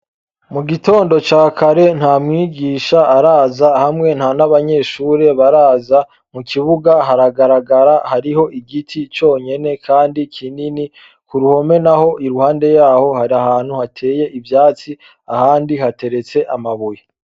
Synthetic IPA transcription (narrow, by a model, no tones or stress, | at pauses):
muɡito̞ːndo̞t͡ʃaːkʰaɾe̞n̥hamŋiːɡiːʃaːɾaːzahamŋe̞n̥hanaβaɲe̞ʃuːɾe̞βaɾaːza | mukʰiβuɡaɦaɾaɡaɾaɡaɾahaɾiho̞ʔiɡitʰit͡ʃo̞ːɲe̞ne̞kʰaːndikʰinini | kuɾuho̞me̞naho̞ʔiɾuhaːnde̞jaːho̞haɾiahaːn̥huhatʰe̞ːje̞ʔivjaːt͡si | ahaːndihate̞ɾe̞t͡se̞ʔamaβuje